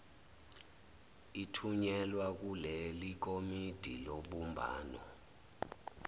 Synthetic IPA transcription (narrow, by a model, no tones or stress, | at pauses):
itʰuɲɛlwak̬ulelik̬omid̥ʱiloɓumbʱa̰ːnɔ̰